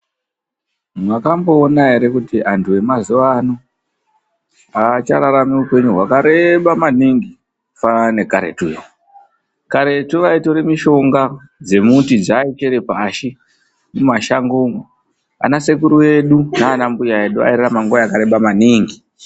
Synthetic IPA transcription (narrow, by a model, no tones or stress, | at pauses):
mwakambo̞ːnaɦe̞ɾe̞kutiantʰue̞mazuʋano | at͡ʃaɾaɾamiupe̞ɲuɦwakaɾe̞ɓamaniŋɡi | fane̞kaɾḛtṵːjo̰ | kaɾe̞tuʋaito̞ɾemiʃo̞ŋɡa | d͡ze̞mutid͡zaːikeɾepaʃi | mumaʃaŋɡuŋo | a̰nase̞kuɾuwe̞ɗunaːnambujaeɗua̰iɾeramaŋɡojakaɾe̞ɓamaniŋɡi